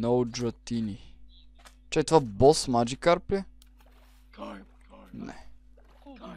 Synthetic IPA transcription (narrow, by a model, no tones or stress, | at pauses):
nowd͡ʒɐt̪ini | t͡ʃɛt̪vabɔsmad͡ʒikaɾplʲɛ | nɛ̰